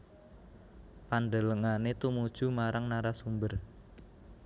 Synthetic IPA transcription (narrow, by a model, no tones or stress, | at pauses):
pand̪ələŋanet̪umud̥ʒ̥umaɾaŋnaɾasumbər